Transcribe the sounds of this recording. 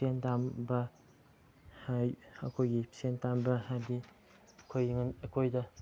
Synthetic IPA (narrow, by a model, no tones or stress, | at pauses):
sentambɐ | haɐkʰojɡisentambɐhadi | ɐkʰojŋnɐkʰojdɐ